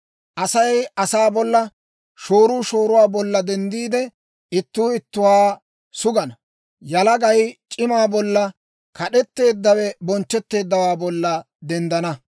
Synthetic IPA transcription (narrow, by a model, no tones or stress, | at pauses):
ʔɐsɐjɐsaːbɔlːɐ | ʃo̞ːɾuːʃo̞ːɾʊwaːbɔlːɐd̪ɛnd̪iːd̪ɛ | ɪt̪ːuːɪt̪ːʊwaː | sʊɡɐnɐ | jɐlɐɡɐjt͡ʃʼɪmaːbɔlːɐ | kɐɗɛt̪ːe̞ːd̪ːɐwɛbɔnt͡ʃːɛt̪ːe̞ːd̪ːɐwaːbɔlːɐ | d̪ɛnd̪ɐnɐ